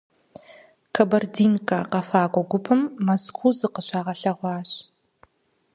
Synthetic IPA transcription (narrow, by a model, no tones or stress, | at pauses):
kʰɐbɐrdiːnkʼɐqɐfaːɡʷʼɔɡʷʊpʰɨmːɐskʰuːzɨqəɕaːʁɐɬɐʁʷɑːɕ